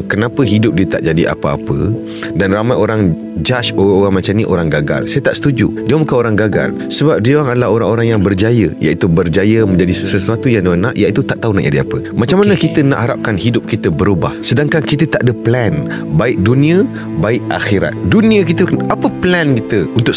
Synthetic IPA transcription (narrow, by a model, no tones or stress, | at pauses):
kənãpəɦidʊp̚diət̪aʔd͡ʒadiʔa̰pəa̰pə̰ | danramajoɾaŋ | d͡ʒaʃooaŋmat͡ʃamnĩʔoɾaŋɡaɡa̰lsajət̪aʔsə̥t̪ud͡ʒṵdiəmukanoɾaŋɡaɡa̰l | səbap̚diwaŋadəlaɦoɾaŋoɾaŋjaŋbərd͡ʒajə̰ja̰ʔit̪ubərd͡ʒajəmə̃ɲd͡ʒadisəsəsuat̪ujaŋdiwanaʔjaʔit̪ut̪aʔt̪aɦunaʔd͡ʒadia̰pə | mat͡ʃamːanəkit̪əna̰ʔɦaɾap̚kanhidʊp̚kit̪əbəɾubahsədaŋkankit̪ət̪aʔdəplɛn | baɪk̚dunĩə | baɪk̚a̰xiɾa̰t̪̚dunĩək̬it̪əkanapəplɛnkit̪əunt̪ʊk̚